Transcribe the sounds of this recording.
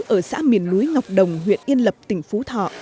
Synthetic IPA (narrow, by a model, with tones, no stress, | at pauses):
ʔəː˧˩sa̰ː˧˥mḭ˨˧˩ənːu˨˦jŋa˨˩wk͡p̚ɗə˨˩wŋ͡mɦwḭ˧˨ənʔi˧ənlə˨˩p̚t̪ï˧˩ŋ̟fu˨˦t̪ʰɔ̰˧˨ʔ